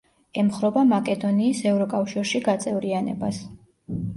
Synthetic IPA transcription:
ɛmχɾɔbamakʼɛd̪ɔniːsɛvɾɔkʼafʃiɾʃiɡat̪sʼɛvɾianɛ̰bas

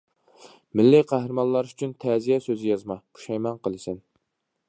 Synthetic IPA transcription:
mɪlːiqʰæhɾɨmɑnlˠɑɾy̥t͡ʃʰynt̪ʰɛːzijɛsøzɪjɑzmɑqʰu̥ʃɛjmɑnqəlˠɨsɪn

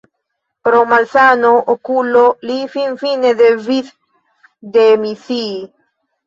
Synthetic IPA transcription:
pɾomalθanoʔokulolifiɱfineðeviθ | d̪emiθi

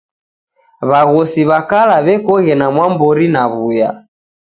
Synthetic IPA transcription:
βaɣɔsiβakalaβɛkɔɣɛnamwambɔɾinaβuja̰

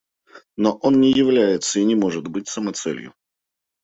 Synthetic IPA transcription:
no̞ʔo̞nnʲɪjɪvlʲæjɪt̪səinʲɪmo̞ʐɨt̪bɨtʲsəmɐt̪sɛ̰lʲjʊ̰

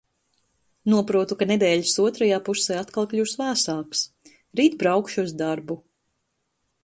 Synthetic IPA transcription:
nuɔpɾuɔt̪ukaned̪ɛːʎisuɔt̪ɾajaːpusɛːat̪kalˠkʎʲusvæːsaːks | ɾiːt̪̚bɾawkʃuɔsd̪aɾbu

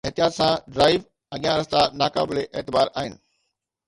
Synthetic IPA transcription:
eɦt̪ijaːt̪sãɖɾaːɪʋ | ɐɠijãɾɐst̪anaːka̰ːbɪleʔeːt̪ɪbaːɾaːɦɪnɪ̆

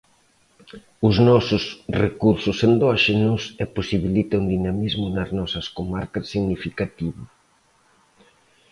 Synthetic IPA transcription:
ʊznɔsʊsrekuɾsʊsend̪ɔʃenusɛposiβilit̪ɐund̪inamizmʊnɐznɔsɐskomaɾkɐsːiɣnifikat̪iβʊ

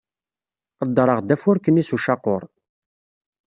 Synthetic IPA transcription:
qəd̪ːɾˤəʁd̪æfʊɾkənisuʃɑqoɾˤ

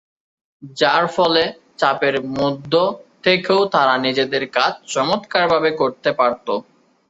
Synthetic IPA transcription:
d͡ʑaɾfɔle | t͡ɕapeɾmud̪ʱːot̪ʰekeot̪aɾanid͡ʑed̪eɾkat͡ɕʰt͡ɕɔmot̪kaɾbʱabekoɾt̪epaɾt̪o

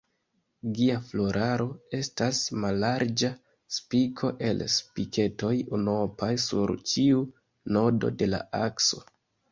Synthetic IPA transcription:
ɡiaflo̞ɾʔaɾo̞e̞stasmalːaɾd͡ʒa | spikʰo̞ʔe̞lspikʰe̞to̞junopajsṵɾt͡ʃiu | no̞do̞̰de̞la̰akso̞̥̰

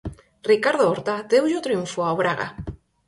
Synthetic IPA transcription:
rikaɾðooɾt̪ad̪ewʒot̪ɾiuɱfoaβɾaɣa̰

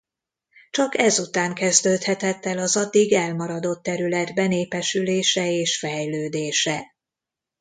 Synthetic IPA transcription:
t͡ʃɒkɛzut̪aːŋkɛzd̪øːt̪hɛt̪ɛt̪ːɛlɒzɒd̪ːiɡɛlmɒɾɒd̪o̞t̪ːɛɾylɛd̪bɛneːpɛʃyleːʃɛeːʃfɛjløːd̪eːʃɛ

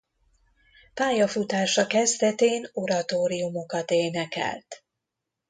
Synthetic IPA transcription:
paːjɒfut̪aːʃɒkɛzd̪ɛt̪eːno̞ɾɒt̪oːɾijumo̞kɒt̪eːnɛkɛ̰lt̪

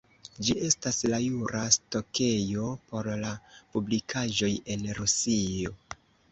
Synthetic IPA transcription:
d͡ʒiʔe̞staslajuɾasto̞kʰe̞jo̞po̞ɾlapublikʰaʒo̞je̞nɾusio̞

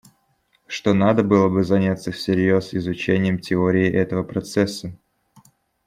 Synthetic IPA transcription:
ʂt̪o̞nad̪əbɨlˠəbɨzɐnʲat̪səfsʲɪɾʲjo̞sɪzʊt͡ɕenʲɪjəmtʲɪoɾʲɪɪʔɛt̪əvəpɾɐt̪sɛsːə

